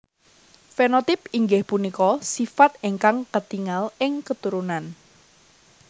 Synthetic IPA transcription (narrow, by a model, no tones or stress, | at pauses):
fenot̪ɪpiŋɡɪhpunikɔsifat̪̚eŋkaŋkət̪iŋalɪŋkət̪uɾunan